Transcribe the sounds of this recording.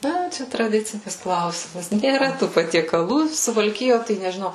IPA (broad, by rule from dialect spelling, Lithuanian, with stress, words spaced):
ˈnɐ ˈt͡ʃʲɛ trɐˈdʲɪt͡sʲɪnʲɪs ˈklˠɐʊsʲɪmɐs nʲeːˈrɐ ˈtuː pɐtʲiɛkɐˈlˠuː sʊʋɐlʲˈkʲɪjoː tɐɪ nʲɛʒʲɪˈnɐʊ